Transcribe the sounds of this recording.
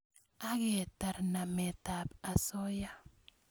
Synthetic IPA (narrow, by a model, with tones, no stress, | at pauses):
a˦ɡe˨ta˨ɾna˨me˨ta˨ba˨so˦ja˦